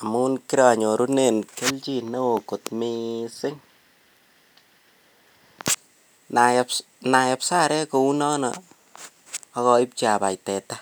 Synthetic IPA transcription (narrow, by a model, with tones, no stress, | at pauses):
a˨mu˦nki˦ɾa˨ɲo˨ɾu˦ne˨nke˦lt͡ʃi˦na˦wo˨ko˨tmisɪ˦ŋ | nap | na˨ja˨psa˦ɾɛ˦ko˧u˦nɔ˦nɔ˦ | kɔ˧i˦p̚t͡ʃi˦a˨ba˨jtɛ˨ta˦